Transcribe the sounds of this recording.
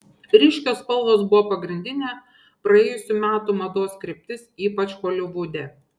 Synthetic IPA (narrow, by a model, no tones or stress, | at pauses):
ɾʲɪʃʲkʲoːspɐlˠʋ̪oːsbʊʋoːpɐɡɾʲɪnʲd̪ʲɪnʲeː | pɾɐeːjʊsʲumʲæːt̪umɐd̪oːskɾʲɪpʲt̪ʲɪsiːpɐt͡ʃʲxoːlʲɪʋuːd̪ʲe